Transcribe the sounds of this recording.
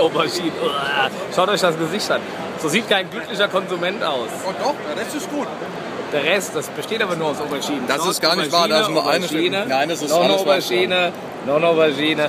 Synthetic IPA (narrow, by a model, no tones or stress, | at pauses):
ʔoːbɐʃiːnəʔojaː | ʃaʊtʔɔçd̥as̬ɡ̥əzɪçtʔan | z̥oːziːtkʰaɪnɡlʏklɪçɐkʰɔnzumɛntʔaʊsod̥ɔadasɪsɡ̥uːt | d̥eːɐʁɛstd̥asb̥əʃteːtaːbɐnuːɐaʊsobɐʃiːnəndaɪstɡ̥aːɐnɪʃvaːɐdassnuɐʔaɪnəʃiːnənaɪndasɪsnɔnoːbɐʃiːnə | nɔnobɐʃiːnə